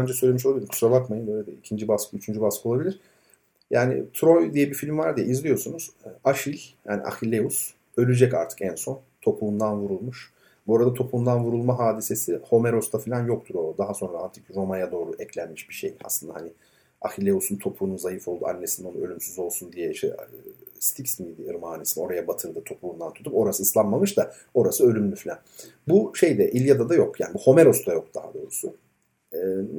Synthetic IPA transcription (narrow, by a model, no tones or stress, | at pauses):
bænd͡ʒɛsøjlʲemiʃ̬oabilʲimkʰu̥sɾalˠakmajɯnbølʲed̪ɛ̰icʰind͡ʒibaskʰɯyt͡ʃʰynd͡ʒybaskɯoabilʲiɾ̥ | jaːnɪ̰t̪ʰɾo̞jd̪ijɛbifilʲimvaɾd̪ijɛizlʲijo̞sunuz̥aʃilʲjaːnḭʔa̰xilʲːeus | ø̞lʲyd͡ʒɛca̰ɾt̪ʰɯ̥kɛnso̞n | t̪ʰo̞pʰund̪anvuɾulˠmuʃ | buoɾad̪at̪ʰo̞pʰuund̪anvuɾulˠmaɦaːd̪ise̞siho̞meɾo̞st̪ʰafilʲanjo̞k̚t̪ʰuɾo̞d̪aɦaso̞nɾaaɾt̪ʰɯkɾo̞majad̪o̞ːɾuʔɛclʲænmiʃbiʃḛja̰slˠɯnd̪ahanɪ | a̰xilʲeusunt̪ʰo̞pʰuːnunzajɯfo̞lˠd̪ṵa̰nːe̞sinonuø̞lʲymsyzo̞lˠsund̪ijɛiʃt̪ʰɛ̰st̪ʰicsnid̪iɯɾmaːnesino̞ɾajabat̪ʰɯɾd̪ɯt̪ʰo̞pʰuund̪ant̪ʰu̥t̪ʰupo̞ɾasɯːslˠanmamɯʃd̪a | o̞ɾasɯø̞lʲymlʲyfilʲæn | buʃe̞jd̪ɛʔilʲjad̪ad̪ajo̞kja̰ːnibuho̞me̞ɾo̞st̪ʰajo̞k̚d̪̥aha̰d̪o̞ːɾusʊ